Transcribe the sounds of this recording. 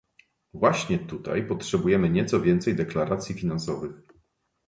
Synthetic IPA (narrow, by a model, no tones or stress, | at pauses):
vwaɕɲɛt̪ut̪a̰jpɔtʂɛbujɛmɘɲɛt̪sɔvʲjɛnt̪sɛjd̪ɛklaɾat̪sʲjifʲinansɔvɘx